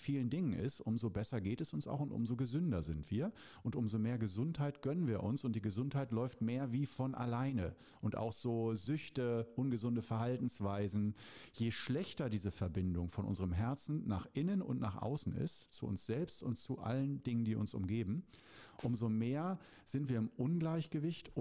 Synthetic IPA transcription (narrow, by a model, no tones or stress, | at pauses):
fiːləndɪŋənʔɪ̰stʔʊmzobɛsɐɡeːtɛsʊnsa̰ʊxʊntʔʊ̰mzoɡəzʏndɐzɪntv̥iːɐ | ʔʊntʔʊmzomeːɐɡəzʊnthaɪtɡ̥œnənviːɐʔʊnsʊnt̚d̥iːɡəzʊnthaɪtlɔʏftmeːɐviːfɔnʔa̰laɪnə | ʔʊnta̰ʊxz̥oːzʏçtəʔʊnɡəzʊndəfɛɐhaltn̩sv̥aɪzn̩jeːʃlɛçtɐdiːzəfɛɐbɪndʊŋfɔnʔʊ̰nzəʁəmɦɛɐt͡sn̩na̰ːχʔɪnənʊ̰ntna̰ːχʔa̰ʊsn̩ɪ̰stt͡sṵʊ̰nsz̥ɛlpstʊntt͡suʔa̰ləndɪŋəndiːʊ̰nsʊ̰mɡeːbm̩ | ʔʊmzomeːɐ | z̥ɪntv̥iːɐɪmʔʊnɡlaɪçɡ̥əvɪçt